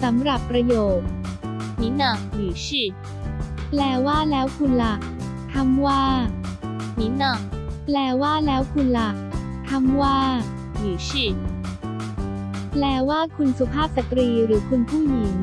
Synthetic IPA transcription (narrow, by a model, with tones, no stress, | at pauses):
sa˩˦mɾa˨˩pːɾa˧joː˨˩t̪̚ | ni˦˥nɔ˨˩ŋ̚jiː˨˩˦ɕi˨˧˩t̪̚ | plɛː˧˩waː˥˩lɛː˦˥wkʰu˧nla˧˩ | t̪ʰa˧˥mwaː˥˩ | ni˦˥nɔ˨˩k̚plɛː˧˩waː˥˩lɛː˦˥wkʰu˧nla˨˦˩ | t̪ʰa˧˥mwaː˥˩ | jiː˨˩˦sʰi˧˩t̪̚ | plɛː˧˩waː˥˩kʰu˧nsu˧pʰaː˥˩p̚sa˨˧t̪ɾiː˧ɾɯː˩˦kʰu˧npʰuː˥˩jiː˨˦m